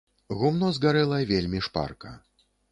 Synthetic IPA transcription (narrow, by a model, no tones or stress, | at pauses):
ɣumnɔzɡaɾɛlˠɐvʲelʲmʲiʂpa̰rkɐ̰